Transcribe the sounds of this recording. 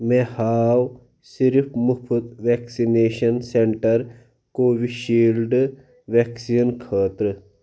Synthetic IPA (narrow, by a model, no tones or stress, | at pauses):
mehaːw | siɾpʰmupʰut̪ʋeːksineːʃɐnseɳʈɐɾ | koːʋiʃiːlɖ | ʋeksinkʰəːt̪ɾɨ